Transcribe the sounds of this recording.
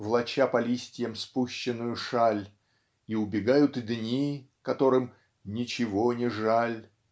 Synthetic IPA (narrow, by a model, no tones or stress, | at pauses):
vlˠɐt͡ɕapɐlʲisʲtʲɪjəmspuɕːɪnːʊjʊʂalʲ | iʊbʲɪɡajʊt̪ɨd̪ʲnʲi | kɐt̪o̞ɾɨm | nʲɪt͡ɕɪvonʲɪʐalʲ